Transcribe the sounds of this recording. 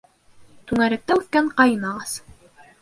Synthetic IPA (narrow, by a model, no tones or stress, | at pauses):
t̪ʉŋæɾɘ̆k̚t̪æʉθkæɴqɑjɤ̆nɑʁɑz̥